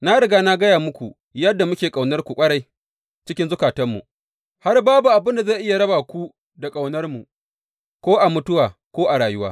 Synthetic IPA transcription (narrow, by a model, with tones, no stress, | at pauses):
na˦ɽɪ˨ɡaː˦na˦ɡɐ˦jaː˨mʊ˦kʷu˨ | jɐ˦dːa˨mʊ˦kʲeː˨kʼa˨wnɐ˦rkʷu˨kʷʼɐ˦ɽa˦j | t͡ʃɪ˦kʲɪ˦nzʊ˦kaː˨tɐ˦mːṵ˨ | ha˦rbaː˦bu˨ʔa˨bɪ˦nda˨za˦˨ʔɪ˦ja˨ɽɐ˦baː˨kʷu˦ | da˨kʼa˨wnɐ˦rmu˨ | kʷoː˦ʔa˨mʊ˦tʊ˦waː˨kʷoː˦ʔa˨ɽaː˨jʊ˦wa̰ː˦